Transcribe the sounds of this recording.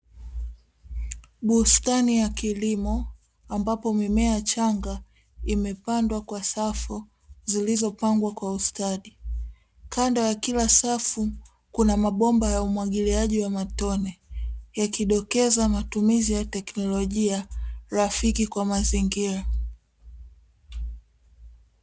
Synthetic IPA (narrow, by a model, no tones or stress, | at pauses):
ɓustanijakilimɔ | ambapɔmimɛat͡ʃaŋɡa | imɛpandwakwasafu | zilizɔpaŋɡwakwaustaɗi | kʰandɔjakilasafu | kunamaɓɔmbajaumwaɠiliaʄiwamatɔnɛjakiɗɔkɛzamatumizijatɛknɔlɔʄiaɾafikikwamaziŋɡiɾa